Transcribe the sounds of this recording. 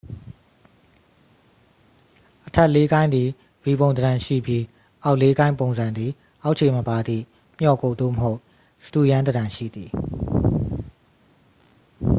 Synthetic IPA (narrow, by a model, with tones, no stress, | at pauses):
ʔətʰɛ˦˨ʔle˦ɡã˦ɪ̃nd̪ði˨ | bi˨bõ˨ʊ̃nd̪əɾã˨ʃḭ˦˨bji˦ | ʔa˦ʊʔle˦ɡã˦ɪ̃mpõ˨ʊ̃nzã˨nd̪ði˨ | ʔa˦ʊʔt͡ɕʰe˨məpa˨d̪ðḭ˦˨ | m̥jɔ˨ko˨d̪o̰˦˨məɦo˦ʊ | sə̥tṵ˦˨jã˦nd̪ədã˨ʃḭ˦˨d̪ði˨